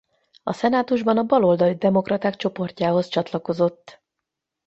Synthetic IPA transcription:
ɒ̰sɛnaːt̪uʒbɒnɒbɒlo̞ld̪ɒlid̪ɛmo̞krɒt̪aːkt͡ʃo̞po̞rcaːɦo̞st͡ʃɒt̪lɒko̞zo̞t̪ː

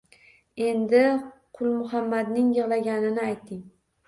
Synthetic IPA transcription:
e̞nd̪ɪqʰʊlˠmʊɦamːad̪nɪŋjɨʁlaɡʲanɪnɪajt̪ʰːɪŋ

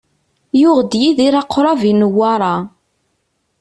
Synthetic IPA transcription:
jʊʁd̪jiðiɾɑqːɾˤɑvinəwːɑɾˤɑ

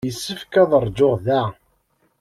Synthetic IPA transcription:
əsːəfkæðˤəɾˤd͡ʒːoʁðæ

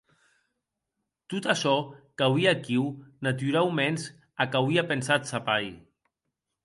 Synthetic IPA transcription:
t̪ut̪aʃɔkawiakiwnat̪yɾawmɛns | akawiapensat̪sapaj

